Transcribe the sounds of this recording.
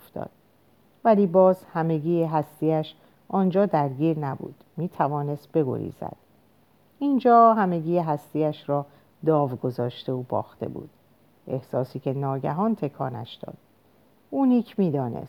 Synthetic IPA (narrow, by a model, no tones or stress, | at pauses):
ft̪ɒ̰ːd̪̥ | væliːbɒːzhæme̞ɡiːeɦæst̪iːæʃ | ʔɒːnd͡ʒɒːd̪æɾɟiːɾnæbṵːd̪̥miːt̪ʰævɒːne̞st̪̚be̞ɡo̞̰ɾḭːzæ̰d̪̥ | ind͡ʒɒːɦæme̞ɡiːeɦæst̪iːæʃɾɒː | d̪ɒːvɡo̞zɒːʃt̪e̞obɒ̰ːxt̪e̞̰bṵːd̪̥ | ʔe̞hsɒːsiːcʰe̞nɒːɟæɦɒːnt̪ʰe̞kʰɒːnæ̰ʃd̪̥ɒ̰ːd̪̥ | uniːcʰmiːd̪ɒːnḛs